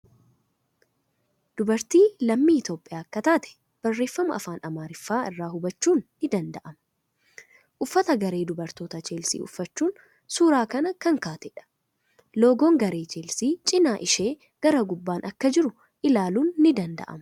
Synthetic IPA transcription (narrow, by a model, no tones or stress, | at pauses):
d̪̥ʊbɐɾt̪iːlɐmːiːɪt̪o̞ːpʼːɪjaːkːɐt̪aːt̪ɛ̥ | b̥ɐrːe̞ːfːɐmɐ̰ɐ̰faːnɐmaːɾɪfːaːɪrːaːhʊbɐt͡ʃːuːnːɪd̪ɐnd̪ɐʔɐmɐ̥ | ʔʊfːɐt̪ɐɡɐɾe̞ːd̪ʊbɐɾt̪oːt̪ɐt͡ʃeːlsḭːʊ̰fːɐt͡ʃːuːn | suːɾaːkɐnɐkɐŋkaːt̪ɛᶑɐ̥ | lo̞ːɡoːŋɡɐɾeːt͡ʃeːlsiːt͡ʃʼɪnaːʔɪʃe̞ː | ɡ̥ɐɾɐɡʊbːaːnʔɐkːɐd͡ʒɪɾʊ | ʔɪlaːluːnːɪd̪ɐnd̪ɐ̰ʔɐ̰mɐ